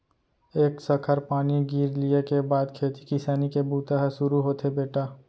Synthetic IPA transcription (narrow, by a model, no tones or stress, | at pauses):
eːksəkʰəɾpaːniɡiːɾlijekebaːd̪kʰeːt̪i̥kɪsaːnikebuːt̪aɦsʊɾuɦoːt̪ʰɦebeːʈaː